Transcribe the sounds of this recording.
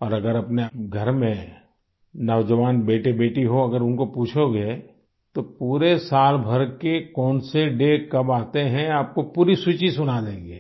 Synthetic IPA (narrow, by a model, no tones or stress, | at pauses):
ɔːɾɐɡəɾɐpneɡʱɐɾmẽ | nɐʋd͡ʒəʋaːnbeːʈebeːʈiɦoɐɡəɾʊnkopuːt͡ʃʰoɡe | t̪opuːɾesaːlbʱɐɾkekɔːnseɖekɐbaːt̪eɦɛ̃aːp̚kopuːɾisut͡ʃisʊnad̪ẽːŋɡeː